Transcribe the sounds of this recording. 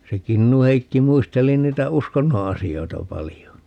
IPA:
se kinːuheikːi muisteli niːtæ uskonːo ɑsioitɑ pɑlijo ni

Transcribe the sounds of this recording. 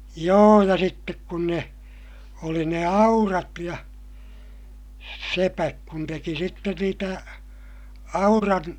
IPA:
joː jɑ sitːek kun ne oli ne ɑurɑt jɑ sepæk kun teki sitːen niːtæ ɑurɑn

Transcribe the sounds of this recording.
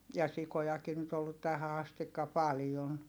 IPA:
jɑ sikojɑki nyt olːut tæhæ ɑstikːɑ pɑljon

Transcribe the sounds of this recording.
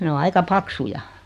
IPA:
ne o ɑikɑ pɑksujɑ

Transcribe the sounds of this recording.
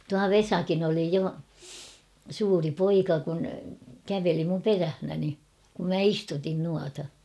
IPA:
tuɑ ʋesɑkin oli jo suːri poikɑ kun kæʋeli mum peræhnæni kum mæ istutin nuɑtɑ

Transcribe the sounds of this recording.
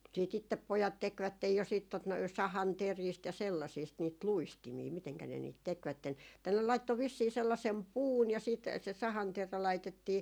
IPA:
siːt itːep pojɑt tekʋætːej jo siːt tot noi sɑhɑnteriːst jɑ selːɑisiːst niːt luistimiː miteŋkæ ne niːt tekʋætːen tɑi ne lɑitːo ʋisːiː selːɑsem puːn jɑ siːt se sɑhɑnteræ lɑitetːiː

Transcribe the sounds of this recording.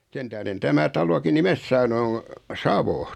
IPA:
sen tæhɾen tæmæ tɑloki nimes sɑːnu o sɑʋo

